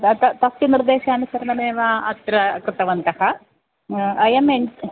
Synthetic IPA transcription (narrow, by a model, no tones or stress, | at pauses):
t̪ɐt̪ɐsjiniɾd̪eːʃaːɐnusɐɾɐnɐmeːʋaɐt̪ɾɐkɾɨt̪ɐʋɐnt̪ɐhɐ | ɐjɐmeɲ